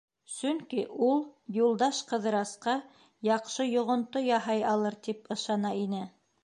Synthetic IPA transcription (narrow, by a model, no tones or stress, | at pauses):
sɵŋkiʔulˠjulˠd̪ɑʃqɤ̆ðɤ̆ɾɑsqɑ | jɑqʃɤjŏʁŏnt̪ojɑɦɑjɑlˠɤɾt̪ipɤ̆ʃɑnɑinɘ